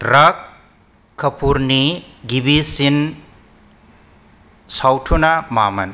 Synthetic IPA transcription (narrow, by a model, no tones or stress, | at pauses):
ɾakʰː | ɐpʰuɾniɡibisin | sawtʰunamamɐ̰n